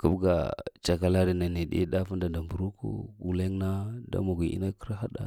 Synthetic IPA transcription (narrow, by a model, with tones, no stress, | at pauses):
ku˦bɡa̰˨t͡ʃa˨ka˦la˦ɾi˨na˨ni˨dḭ˦da˦fu˦nda˨nda˨mbu˨ɾu˦kṵ˦ɡu˨le˦ŋna˦da̰˦ma˨ɡʷi˨ḭ˦na˦kə˦ɾa˦ɦa˦da̰˦